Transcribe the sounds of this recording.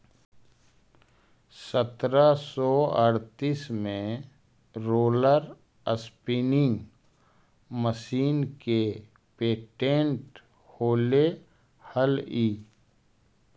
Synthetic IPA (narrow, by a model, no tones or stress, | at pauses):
sət̪ɾasɔːəɾt̪iːsmẽ | ɾoːləɾ | əspinɪ̃ŋɡ | məsiːnke | peːʈẽɳʈ | hoːle | həliː